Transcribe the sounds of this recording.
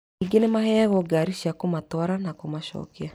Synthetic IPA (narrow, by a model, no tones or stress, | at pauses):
iɡenemahɛːɣɔɡaɾiʃiakomatwaɾanakomaʃɔ̰ːkea